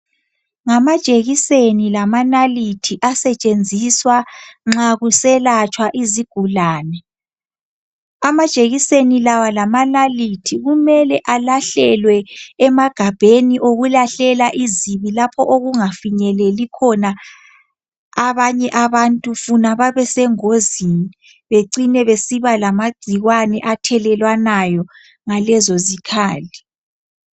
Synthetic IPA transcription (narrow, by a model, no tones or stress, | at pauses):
ŋamḁt͡ʃʼeɣisenilamanalitʰiʔasɛt͡ʃʼend͡zʱiswaŋ͡ǁaɣusɛlat͡ʃʰʼwaʔiziɡ̥ʱulaːnɛ | amḁt͡ʃʼeɣisenilawalamanalitʰiɣumɛlɛʔalaɬɛlwɛːmaɡ̥ʱab̥ʱeniʔoɣulaɬɛlaʔiziβilapʰɔʔoɣuŋafiɲɛlɛlikʰɔna | βaɲɛʔaβantʼufunaβaβɛsɛŋozini | βeǀinɛβesiβalamaɡ͡ǀʱiɣwanɛʔatʰɛlɛlwanajɔ | ŋalɛzɔzikʰaːli